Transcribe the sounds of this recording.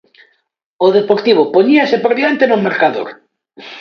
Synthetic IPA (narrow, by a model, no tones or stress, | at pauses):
oðepoɾt̪iβ̞opoɲiasepɾoβjent̪enomeɾkaðo̰ɾ